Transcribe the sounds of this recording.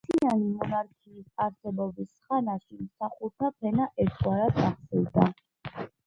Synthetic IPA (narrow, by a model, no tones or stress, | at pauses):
t̪ʰianimɔnaɾkʰiːsaɾsɛbɔbisχanaʃimsaχuɾt̪ʰapʰɛnaʔɛɾt̪ʰʼwaɾad̪aχsɛwd̪a